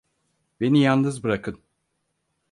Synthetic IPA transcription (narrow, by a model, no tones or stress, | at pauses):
be̞nijannɯzbɯɾakʰɯn